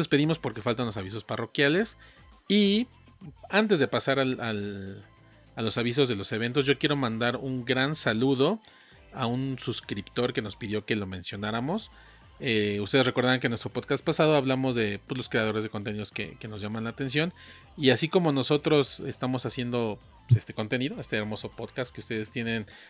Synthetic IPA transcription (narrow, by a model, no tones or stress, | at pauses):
espe̞ðimo̞spo̞ɾke̞falt̪anlo̞saβ̞is̬o̞sparo̞kjale̞s | i | ant̪e̞zðe̞pasaɾalal | alo̞saβis̬o̞zðe̞lo̞se̞β̞e̞nt̪o̞sʝo̞kje̞ɾo̞mãnd̪aɾuŋɡɾansaluðo̞ | aunsuskɾipt̪o̞ɾke̞no̞spiðjo̞ke̞lo̞mẽ̞nsjo̞naɾamo̞s | eust̪ee̞zreko̞ɾðaɾaŋkenwest̪ɾo̞po̞ðkast̪̚pasaðo̞aβlamo̞zðe̞puzlo̞skɾe̞aðo̞ɾezð̞e̞ko̞nt̪e̞niðo̞skḛkeno̞zʝamãnlaːt̪e̞ns̬jo̞n | iasiko̞mo̞no̞so̞t̪ɾo̞se̞st̪amo̞sasje̞nd̪o̞ | est̪e̞ko̞nt̪e̞niðo̞e̞st̪e̞ːɾmo̞so̞po̞ðkast̪keust̪e̞ðe̞st̪je̞ne̞n